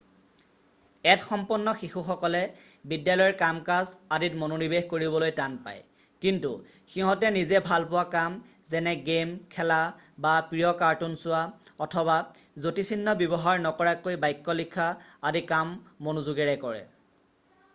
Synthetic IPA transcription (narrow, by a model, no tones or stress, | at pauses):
ɛtxɔmpunːɔxixuxɔkɔlɛbidjalɔjɔɹkamkasaditmononibexkoɹiβɔlojtanpa̰j | kintṵxiɦɔtɛnizɛbʱalpʊwakamzɛnɛɡemkʰɛla | bapɹijɔkaɹtunsʊwaɔtʰɔβazotisʰinːɔbjɔbɔɦaɹnɔkɔɹakojbajkːɔlikʰːaːdikamːonuzuɡɛɹɛkɔɹɛ̰